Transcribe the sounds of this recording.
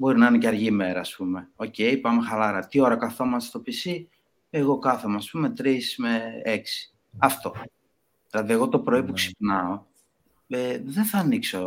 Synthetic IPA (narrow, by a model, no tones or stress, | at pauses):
bo̞ɾinɐineceɐɾʝime̞ɾɐːspume̞o̞ce̞jpɐmexɐlɐɾɐt̪io̞ɾɐkɐθo̞mɐsst̪o̞pisi | eɣo̞kɐθomːspume̞t̪ɾismeeksi̥ | ɐft̪o̞ | ðilɐðie̞ɣo̞t̪o̞pɾo̞ipuksi̥xnɐo̞ | eðenθɐːnikso̞